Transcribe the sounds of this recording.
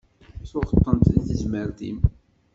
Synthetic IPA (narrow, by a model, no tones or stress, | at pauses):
θoʁə̥t̪ˤːənt̪əθəzməɾðḭm